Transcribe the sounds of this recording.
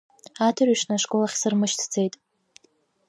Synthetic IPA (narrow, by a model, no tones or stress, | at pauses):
atʰarɥʂnaʂkʼo̞laχʲsɨrmɨʃtʰd͡ze̞jtʼ